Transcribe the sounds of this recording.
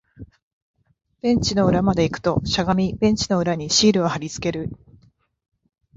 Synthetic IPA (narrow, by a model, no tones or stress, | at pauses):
b̥ẽ̞ɲ̟t͡ɕino̞ɯ̟ɾamad̪e̞ikɯ̟̥t̪o̞ɕaɡamʲibẽ̞ɲ̟t͡ɕino̞ɯ̟ɾaɲ̟iɕiːɾɯ̟ohaɾʲit͡sɨ̥ke̞ɾɯ̟